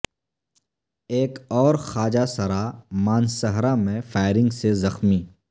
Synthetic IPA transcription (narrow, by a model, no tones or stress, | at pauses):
eːkɔːɾxaːd͡ʒasɐɾamaːnsɐɦɾamẽfaːɪɾɪ̃ŋɡsezɐxmiː